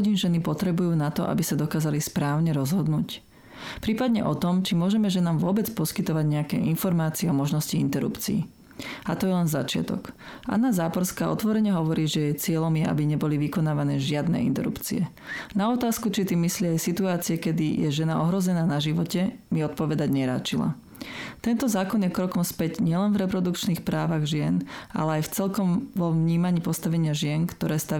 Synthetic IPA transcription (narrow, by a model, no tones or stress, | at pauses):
ɟinʒɛnipɔt̪ɾɛbujuːnat̪ɔ̰ʔa̰bisad̪ɔkaːzalispɾaːʊɲɛɾɔzɦɔd̪nuːc | pɾiːpad̪ɲɛ̰ʔɔt̪ɔmt͡ʃimʊɔʒɛmɛʒɛnaːmʋʊɔbɛt͡spɔskit̪ɔʋaɟɲɛakɛ̰ʔinfɔɾmaːt͡siɛɔmɔʒnɔsciint̪ɛɾṵpt͡siḭ | at̪ɔjɛlɛnza̰t͡ʃɪa̰t̪ɔ̰k | ʔa̰nːazaːpɔɾskaːɔ̰t̪ʋɔɾɛɲɛɦɔʋɔɾiːʒɛjɛt͡sɪɛʎɔmjɛʔa̰biɲɛbɔliʋikɔnaːʋanɛːʒɪad̪nɛ̰ːʔḭnt̪ɛ̰ɾṵpt͡sḭɛ | naɔt̪aːskut͡ʃit̪imislɪiajsit̪uaːt͡siɛkɛd̪ijɛʒɛnaɔɦɾɔzɛnaːnaʒiʋɔcɛmiɔt̪̚pɔʋɛd̪aɟɲɛɾa̰ːt͡ʃila̰ | t̪ɛnt̪ɔzaːkɔnjɛkɾɔkɔmspɛɟɲɪɛlɛnvɾɛpɾɔd̪ukt͡ʃniːxpɾaːʋaɣʒɪɛna̰lɛajft͡sɛlkɔmʋɔʋɲiːmaɲiːpɔst̪aʋɛɲɪaʒɪɛnkt̪ɔɾɛːst̪a